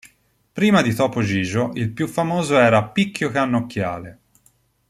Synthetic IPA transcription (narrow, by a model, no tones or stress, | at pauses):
pɾiːmad̪it̪ɔːpod͡ʒiːd͡ʒoʔilpjufːamoːzoɛːɾapikːjokeanːokːja̰ːle